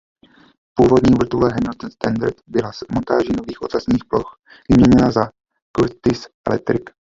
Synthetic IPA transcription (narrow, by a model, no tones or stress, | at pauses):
puːvo̞dɲiːvr̩t̪ulɛɦɛmlt̪nst̪andaɾt̪bɪlazmont̪aːʒinoviːxʔo̞t̪asɲiːxplo̞x | vɪmɲɛɲɛnaza | kuɾt̪ɪsʔɛ̰lɛ̰k̚t̪ɾɪk